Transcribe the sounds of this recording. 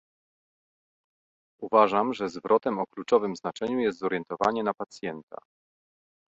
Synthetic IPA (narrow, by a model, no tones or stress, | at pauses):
uvaʐamʐɛzvɾʔɔt̪ɛmɔklut͡ʂɔvɘmznat͡ʂɛɲujɛst̪zɔɾjɛnt̪ɔvaɲɛnapat̪sʲjɛnt̪a̰